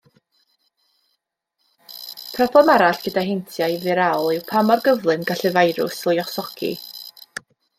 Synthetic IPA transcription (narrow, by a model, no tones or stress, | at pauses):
pʰrɔblˠɛmaɾaɬɡ̥ədaɦɪntʰjajvɨɾawlˠɪwpʰamɔrɡəvlˠɨnɡaɬɨvajɾʊ̰slˠjɔsɔkʰḭ